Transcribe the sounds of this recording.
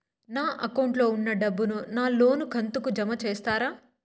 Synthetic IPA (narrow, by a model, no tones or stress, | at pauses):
naːʔɐkɐwɳʈlo̞ːunːɐɖɐbːununaːlo̞ːnuɡʱɐnt̪ukud͡ʒɐmɐt͡ʃeːst̪aːɾaː